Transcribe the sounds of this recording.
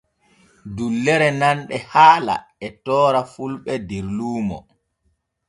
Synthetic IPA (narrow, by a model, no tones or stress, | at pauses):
dulːɛɾɛnanɗɛhaːla̰ | ɛtɔːɾafulɓɛdiɾluːmɔ̰